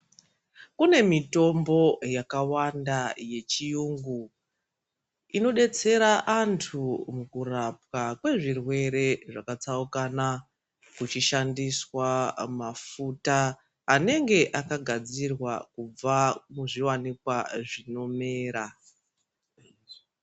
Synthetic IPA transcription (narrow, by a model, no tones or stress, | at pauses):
kune̞mito̞mbo̞jakawandaje̞t͡ʃijuŋɡu | ino̞ɗe̞t͡se̞ɾaʔantʰumukurap̚kakwe̞ʐirwe̞ɾe̞ʐakat͡saukana | kut͡ʃiʃandiswamafutaː | ne̞ŋɡe̞ʔakaɡʱad͡zirwakub͡vamuʐiwanikwaʐino̞me̞ːɾa